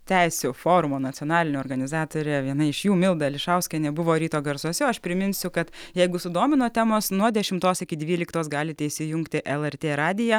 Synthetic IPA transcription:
t̪ʲɛɪsʲuːfoːɾʊmoːnɐtt͡s̪ʲoːnɑːlʲɪnʲʊɔːɾɡɐnʲɪzɑːt̪oːɾʲeːʋʲiɛnɐɪɪʃjuːmʲɪlˠd̪ɐlʲɪʃɑʊsʲkʲɛnʲɛbʊʋoːɾʲiːt̪oːɡɐɾsoɔsʲɛɐʃpʲɾʲɪmʲɪnʲsʲʊkɐt̪ | jɛɪɡʊsʊd̪oːmʲɪnoːt̪ʲæːmoːsnuɔd̪ʲɛʃʲɪmt̪oːsɪkʲɪd̪ʲʋʲiːlʲɪkt̪oːs̬ɡɑːlʲɪt̪ʲɛɪʃʲsʲɪjʊŋkt̪ʲɪʔɛlˠɛɾʲt̪ʲeːɾɑːd̪ʲɪjɛ

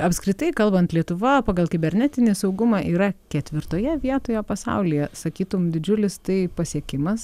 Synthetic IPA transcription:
ɐpskɾʲɪt̪ɐɪkɐlˠbɐnt̪lʲiɛt̪ʊʋɐpɑːɡɐlˠkʲɪbʲɛɾʲnʲɛt̪ʲɪnʲɪsɐʊɡʊmɑːʔiːɾɐkʲɛt̪ʲʋʲɪɾt̪oːjɛʋʲiɛt̪oːjoːpɐsɐ̰ʊlʲɪjɛsɐkʲiːt̪ʊmd̪ʲɪd͡ʒʲʊlʲɪst̪ɐɪpɐsʲiɛkʲɪmɐs

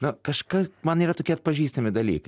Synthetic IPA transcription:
nʊkɐʃkɐsmɐniːɾɐt̪oːkʲiɛɐt̪̚pɐʒʲiːst̪ɐmʲɪd̪ɐlʲḭːkɐ

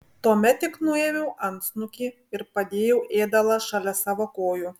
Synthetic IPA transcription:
t̪uɔmʲɛt̪ʲːɪknʊeːʋʲɛʊʔɐnt̪snʊkʲiː | ɪɾpɐd̪ʲeːjɛʊʔeːd̪ɐlˠɐʃɑlʲɛsɑːʋoːkoːjʊ

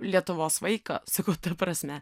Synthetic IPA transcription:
lʲiɛt̪ʊʋoːsʋɐɪkɐ̰sɐkɐʊt̪ɐpɾɐsʲmʲɛ

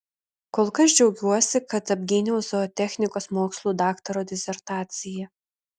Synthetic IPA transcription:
koːlˠkɐs̬d͡ʒʲɛʊɡʲuɔsʲɪkɐt̪ɐbʲɡʲɪːnʲɛʊzd̪ɐoːt̪ʲɛxʲnʲɪkoːsmoːkslˠuːd̪ɑːkt̪ɐɾoːd̪ʲɪsʲɛɾt̪ɑːt̪sʲɪjɛ

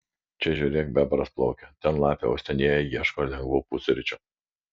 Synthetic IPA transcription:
t͡ʃʲɛʒʲuɾʲeːk̚bʲɛbɐɾɐsplˠɔʊkʲɛt̪ʲɛnlˠɑːpʲɛ̰ɐ̰ʊsʲt̪ʲɛnʲeːjɛjiɛʃkoːlʲɛŋɡʋuːpusʲʊɾʲɪt͡ʃʲʊ

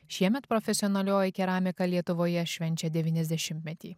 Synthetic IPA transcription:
ʃʲiɛmʲɛt̪pɾɔfʲɛsʲɪɔnɐlʲoːjɛkʲɛɾɑːmʲɪkɐlʲiɛt̪ʊʋoːjɛʃʲʋʲɛnʲt͡ʃʲɛd̪ʲɛʋʲiːnʲɛzʲd̪ʲɛʃʲɪmʲt̪ʲmʲɛt̪ʲḭː

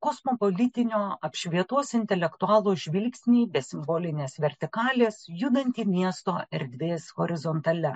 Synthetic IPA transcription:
kosmoːpolʲɪt̪ʲɪnʲoːɐpʃʲʋʲiɛt̪oːsɪnʲt̪ʲɛlʲɛkt̪ʊɑːlˠuːʒʲʋʲɪlʲksʲnʲiːbʲɛsʲɪmboːlʲɪnʲeːsʋʲɛɾʲt̪ʲɪkɑːlʲeːsjʊd̪ɐnʲt̪ʲiːmʲiɛst̪oːɛɾʲd̪ʲʋʲeːsɣoːɾʲɪzont̪ɐlʲɛ

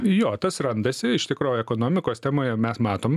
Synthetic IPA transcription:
joːt̪ɐsrɐnd̪ɐsʲɪɪʃt̪ʲɪkɾoːjɛkoːnoːmʲɪkoːst̪ʲæːmoːjɛmʲɛsmɑːt̪oːmʲ

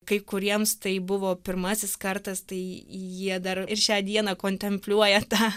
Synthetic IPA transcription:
kɐɪkʊɾʲiɛmst̪ɐɪbʊʋoːpʲɪrmɑːsʲɪskɐrt̪ɐst̪ɐɪjiɛd̪ɐrɪɾʃʲæːd̪ʲiɛnɐkoːnʲt̪ʲɛmʲpʲlʲuɔjɛt̪ɑː

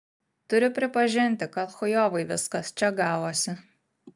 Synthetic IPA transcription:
t̪ʊɾʲɪpʲɾʲɪpɐʒʲɪnʲt̪ʲɪkɐt̪xɔjoːʋɐɪʋʲɪskɐst͡ʃʲɛɡɑːʋoːsʲɪ

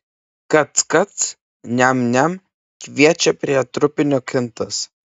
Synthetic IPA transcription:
kɐt̪skɐt̪s | nʲɛmnʲɛm | kʋʲiɛt͡ʃʲɛpʲɾʲiɛt̪ɾʊpʲɪnʲoːkʲɪnt̪ɐs

